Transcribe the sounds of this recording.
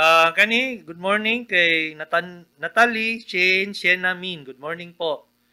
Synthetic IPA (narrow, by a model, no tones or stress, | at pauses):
ʔakɐniɡʊd̪̚moɹnɪŋkɐjnɐt̪anɐt̪aliʃɛnsɛnaminɡʊd̪̚moɹnɪŋpoʔ